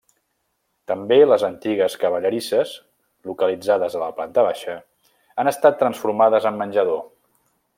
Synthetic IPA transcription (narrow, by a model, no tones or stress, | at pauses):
t̪əmbeləzənt̪iɣ̞əskəβ̞əʎəɾisəz | lukəlid͡zaðəzələplant̪əβaʃə | anəst̪at̪ːɾənsfuɾmaðəzəmːənʲʒəðo